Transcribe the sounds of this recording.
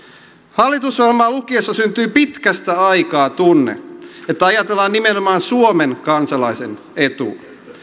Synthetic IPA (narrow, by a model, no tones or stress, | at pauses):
hɑlːit̪usʋɑlmɑːlukiesːɑsynt̪yːpit̪kæst̪æɑikɑːt̪unːḛet̪ːæɑjɑt̪elːɑːnːimenomɑːnsuomeŋkɑnsɑlɑijsḛn | e̞t̪ṵː